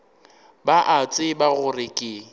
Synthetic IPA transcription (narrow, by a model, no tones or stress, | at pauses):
baʔat͡sʼɪbaɣʊrɪkʼɪ